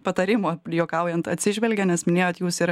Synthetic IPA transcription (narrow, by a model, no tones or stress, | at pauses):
pɐt̪ɐɾʲɪmoːjoːkɐˑʊjɛnt̪ɐt̪ʲsʲɪʒʲʋʲɛlʲɡʲɛnʲɛsmʲɪnʲeːjoːt̪juːsɪɾ